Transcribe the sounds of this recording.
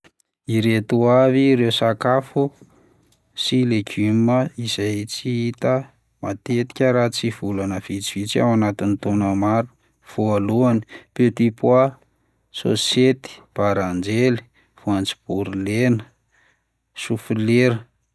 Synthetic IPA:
iɾet̪uaviɾewsakafu | sileɡyməiz̥ajt͡siit̪ə | mat̪et̪i̥kʲəɾat͡siv̥ulanəv̥it͡sivit͡sia̰wanat̪init̪onamaɾu̥ | v̥ualuani̥pet̪ipua | so̰set̪i̥b̥aɾand͡ʒeli̥ | v̥uant͡si̥b̥uɾilenə̥ | sufileɾə

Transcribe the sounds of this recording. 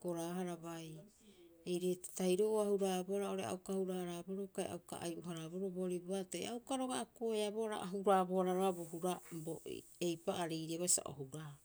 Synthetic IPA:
ko̞ɾaɦaɾabaj | ejɾetajɾoʔoahuɾaːboɾao̞ɾea̰wkahuɾaɾaboɾokaj̰a̰wka̰ʔajʔuɦaɾabo̞ɾoboɾibuatajawkaɾo̞ɡaːkoeaboɾa̰ʔaɦuɾaboaɾaɾoaboɦuɾabo̰ | ejpaʔaɾijɾiaβajsa̰ʔo̰huɾa

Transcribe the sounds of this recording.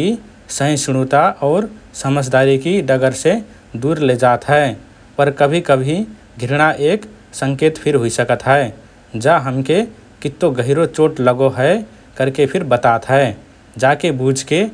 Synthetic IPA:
i | sə̃ɪ̃sʊɽ̃ut̪aʔɔːɾsəməd͡ʒd̪aɾikiɖəɡəɾse | d̪uɾled͡ʒat̪ɦɛe | pəɾkəbʱikəbʱi | ɡʱɪɾɽ̃aʔeːk | sə̃ŋkeːt̪pʰɪɾɦoisəkət̪ɦɛ | d͡ʒaɦəmke | kit̪ːoɡəɦiɾot͡ʃoːʈləɡoɦɛe | kəɾkepʰɪɾbət̪at̪ɦɛe | d͡ʒaːkebud͡ʒʱke

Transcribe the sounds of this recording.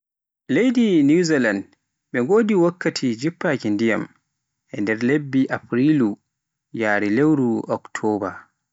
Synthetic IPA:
lejdinuziland | ɓɛŋɡoːdiwakʰːatʰid͡ʒipːakindija̰m | ʔɛndɛɾlebːiʔapɾilu | jaːɾilewɾuɔktʰɔːba

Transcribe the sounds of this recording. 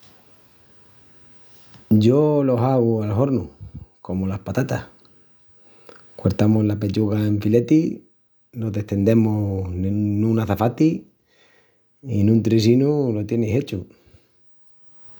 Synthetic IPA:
ɟ͡ʝo̞lo̞saɣualɦo̞ɾnuko̞molahpat̪at̪ah | kwoɾt̪amozlape̞t͡ʃuɣaeɱfile̞t̪i | no̞ðe̞ht̪e̞nd̪e̞mo | nũnaθafat̪i | inũnt̪ɾis̬inulot̪je̞nese̞t͡ʃu

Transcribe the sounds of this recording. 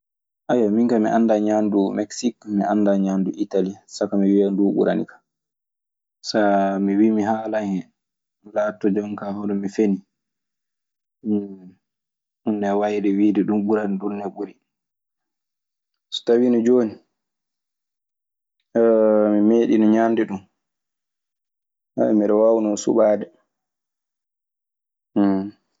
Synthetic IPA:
ʔajwamiŋkamḭʔandaɲandumɛksikmiʔandaɲanduʔitalisakamiwianduːɓṵɾa̰nḭkḁ | samiwimiɦaːlaŋɛ | laːtːɔd͡ʒɔŋkahɔɗɔmifeni | unːɛwajdɛwiːdɛɗumɓuɾanɗunːɛɓuɾi | sɔ̥tawinɔd͡ʒoːni | mimeːɗinɔɲandɛɗum | aɛmiɗɔwawnɔnsṵɓaːdɛ

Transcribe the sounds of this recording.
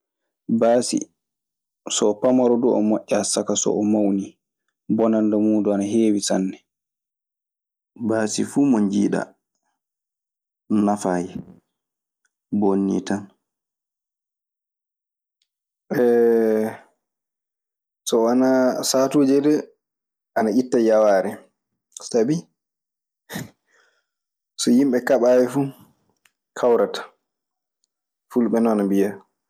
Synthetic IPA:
baːsḭ | sɔːpamaɾɔduʔɔ̰moʔʲːɛasakasɔ̰ɔmawni | bɔnandamuːduanaɦeːwisanːɛ | baːsifuːmɔɲd͡ʒḭːɗa̰ | nafajɛ | bonːḭtan | ɓɛ | sɔwanasatuːd͡ʒɛdɛ | anaitːajawaːɾɛ | sabi | sɔjimɓɛkaɓawɛfu | kʰawɾatḁ | fulɓɛnɔnambija

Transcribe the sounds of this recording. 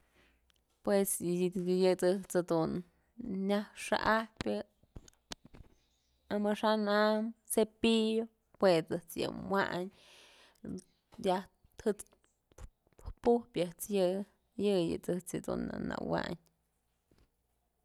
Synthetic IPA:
pwesjɨt͡sɨht͡sad̪unː | ahʂa̰ʔahpʲɨ | amaʂanamsepijo | pwet͡sɨht͡sjɨ̰wa̰ʔɲ | jah | hɨt͡s | puhpʲjɨht͡sjɨ | jɨjɨt͡sɨt͡sɨd̪ṵna̰nːa̰wa̰ɲ

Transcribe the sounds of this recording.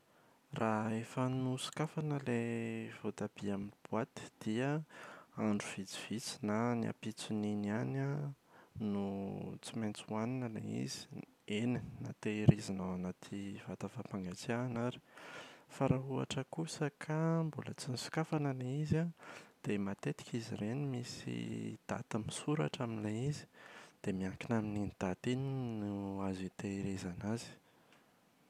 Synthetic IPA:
rʔaefənusi̥kafanəlev̥ot̪abiaminbuat̪i̥d̪̥ia | aɳɖ͡ʐuv̥it͡si̥v̥it͡si̥nania̰pit͡sininana | nut͡simant͡suaninəlḛḭzi̥enina̰t̪eɾizinawanat̪ʰivat̪afapaŋɡat͡sianaɾi̥faɾaua̰ʈ͡ʂəkusəkʰambula̰t͡sinisi̥kafanalaizad̪̥emat̪et̪i̥kʲiziɾenimisḭd̪̥a̰t̪amisuɾa̰ʈ͡ʂaminleizi̥d̪̥emiaŋkinaminind̪̥at̪eninuazit̪eiɾezanazi̥

